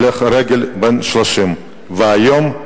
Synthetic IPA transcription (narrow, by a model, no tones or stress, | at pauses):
leχɾeɡʲelbenʃloʃim | veajom